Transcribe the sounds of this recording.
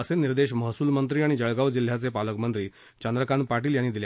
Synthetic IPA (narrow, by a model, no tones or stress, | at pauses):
əseniɾd̪eɕməɦsuːlmənt̪̬ɾiːaɽ̃id͡ʑəɭɡaʋd͡ʑil̤ːjat͡sepaləkmənt̪ɾiː | t͡ɕənd̪ɾəkanpaʈiːljanːiːd̪ilja